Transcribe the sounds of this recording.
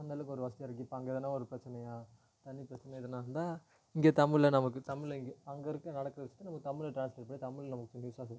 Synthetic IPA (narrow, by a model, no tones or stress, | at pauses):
nd̪aːlɯkːɯɔɾɯʋɐsʈ̪iɐɾɯk̬ːipːaɐŋɡɐɛðɐnːãːɔɾɯpɪɾɐt͡ʃːɐnɐjaː | t̪ɐnːipɪɾɐt͡ʃːɛnɐɪðɐnːãːɾɯnd̪aː | ɪŋɡeːt̪ɐmɪɭːɐnɐmɐkːɯt̪ɐmɪɭɐɪŋɡeɐŋɡɐɾɯkːɯnɐɽɐkːɯɾɐʋɪt͡ʃːɯ̥t̪ːɯnɐmɐkːɯt̪ɐmːɪɭɐʈɾaːnslɐːɾ̚pɐɽit̪ɐmːɪɭlnɐmɐkːɯsnjuːsaːs̬ɪkː